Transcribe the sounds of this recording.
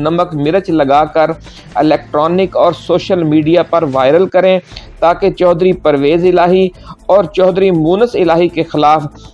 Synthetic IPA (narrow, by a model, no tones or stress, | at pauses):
nɐməkmɪɾət͡ʃlɐɡaːkɐɾ | ɪlɛːk̚ʈɾɔːnɪkɔːɾsoːʃəlmiːɖijapɐɾʋaːɪɾəlkɐɾẽt̪aːket͡ʃɔːd̪ɾipɐɾʋeːzɪlaːɦiɔːɾt͡ʃɔːd̪ɾimuːnəsɪlaːɦikexɪlaːf